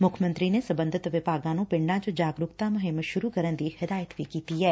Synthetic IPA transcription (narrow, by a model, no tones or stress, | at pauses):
mʊkʰmə̃nt̪ɾiːneːsəbə̃nd̪ʱɪt̪ʋɪpaːɡãːnũːpɪɳɖãːt͡ʃod͡ʒaːɡɾʊkt̪aːmʊɦɪmːəʃʊɾuːkəɾənd̪iːhɪd̪aːjət̪ʋiːkiːt̪iːɛː